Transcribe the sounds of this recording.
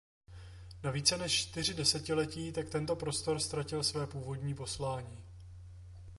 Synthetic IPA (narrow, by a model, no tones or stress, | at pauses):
naviːt͡sɛnɛʃt͡ʃt̪ɪr̝ɪdɛsɛcɪlɛciːt̪akt̪ɛnt̪o̞pɾo̞st̪o̞ɾst̪ɾacɪlsvɛːpuːvo̞dɲiːpo̞slaːɲiː